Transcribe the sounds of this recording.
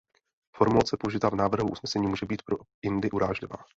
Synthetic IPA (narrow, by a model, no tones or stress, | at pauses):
fo̞ɾmulat͡sɛpouʒɪt̪aːvnaːvr̩ɦuʔṵsnɛsɛɲiːmuːʒɛbiːt̪pɾoɪndɪʔuɾaːʒlɪva̰ː